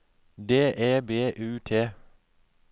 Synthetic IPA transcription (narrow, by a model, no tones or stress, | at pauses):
d̪eːʔeːbeːʔʉːt̪ʰeː